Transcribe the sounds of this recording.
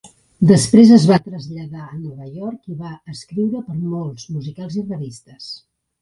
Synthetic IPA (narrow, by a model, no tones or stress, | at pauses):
d̪əspɾezəzβat̪ɾəzʎəðaənɔβəjɔɾkiβaəskɾiwɾəpəɾmolˠzmuzikalˠzirəβist̪əs